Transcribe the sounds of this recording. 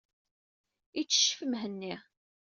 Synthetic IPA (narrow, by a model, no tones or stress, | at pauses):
it͡sːə̥ʃːfəmɦənːi